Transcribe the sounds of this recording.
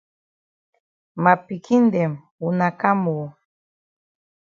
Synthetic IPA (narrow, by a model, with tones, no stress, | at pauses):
ma˨pi˨kʰi˦n˦dɛ˨m | u˨na˨ka˦mu˨